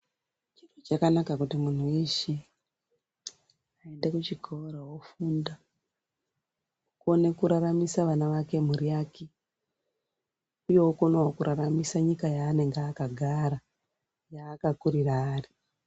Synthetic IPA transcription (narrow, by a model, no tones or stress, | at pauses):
t͡ʃirot͡ʃakanakakutimun̤uiʃi | ae̞ndekut͡ʃiɡʱoɾawofunda | kone̞kuɾaramisaʋanaʋake̞m̤uɾiake | uje̞ukonwakuɾʔaramisaɲikajaːne̞ŋɡaːkaɡʱaɾa | jaːkakuɾiraːri